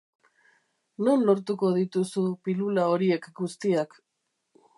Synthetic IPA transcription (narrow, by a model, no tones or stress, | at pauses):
nunlo̞ɾt̪uko̞ðit̪usupilulao̞ɾie̞kɡust̪iak